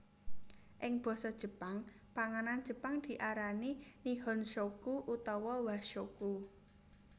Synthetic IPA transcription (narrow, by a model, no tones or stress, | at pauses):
ʔɪŋb̥ɔ̤sɔd̥ʒ̥ə̤paŋ | paŋanand̥d͡ʒ̥ə̤paŋd̪̥i̤ʔaɾaniniɦɔnʃokuʔut̪ɔwɔwahʃoku